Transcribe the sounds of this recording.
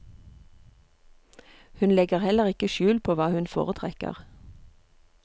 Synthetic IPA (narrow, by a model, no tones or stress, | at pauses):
hʉnlɛɡəʁhɛləʁɪkəʃʉːlpʰoːʋɑːhʉnfo̰ːʁət̪ʰʁɛkə̰ʁ